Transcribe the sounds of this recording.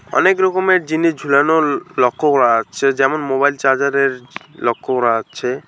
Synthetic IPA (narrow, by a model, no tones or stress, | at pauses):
ɔ̰nekɾɔkomeɾd͡ʑiniʃd͡ʑʱulanolɔkʰːokoɾaat͡ʃʰed͡ʑɛmonmobajlt͡ʃaɾd͡ʑaɾeɾlɔkʰːokoɾaat͡ʃʰe